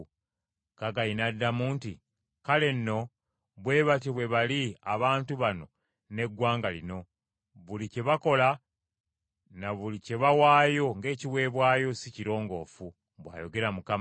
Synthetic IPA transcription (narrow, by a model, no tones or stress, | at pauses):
kaɡainadːamuːnti | kale̞nːo̞ | βwe̞ːβat̬iβwe̞βaliaβaːntuβano̞ | ne̞ɡwaːŋɡalino̞ | βulice̞βako̞la | naβulice̞βawaːjo̞ŋɡe̞ːciwe̞ːβwaːjo̞siciɾo̞ːŋɡo̞ːfu | βwa̰ːjo̞ɡe̞ɾamukam